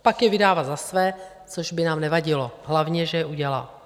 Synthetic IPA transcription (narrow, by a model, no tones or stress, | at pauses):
pakjɛvɪdaːvazasvɛː | t͡soʒbɪnaːmnɛvaɟɪloɦlavɲɛʒɛjɛuɟɛla̰l